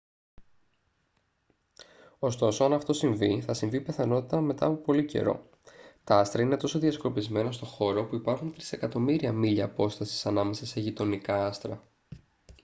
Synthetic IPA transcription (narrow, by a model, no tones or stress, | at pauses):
o̞st̪o̞so̞ɐnɐft̪o̞siɱviθɐsiɱvipe̞θɐno̞t̪it̪ɐme̞t̪ɐ̰ɐːpo̞po̞lice̞̰ɾo̞̰ | t̪ɐɐst̪ɾɐine̞t̪o̞so̞ðiɐskɾo̞pizme̞nɐst̪o̞xo̞ɾo̞puipɐɾxunt̪ɾise̞kɐt̪o̞miɾiɐmiʎɐːpo̞st̪ɐsi̥sɐnɐme̞sɐse̞ʝit̪o̞nikɐɐst̪ɾɐ